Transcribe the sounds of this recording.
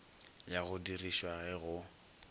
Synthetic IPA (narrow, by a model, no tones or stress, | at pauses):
jaɣʊdiriʃwaɣɛɣʊ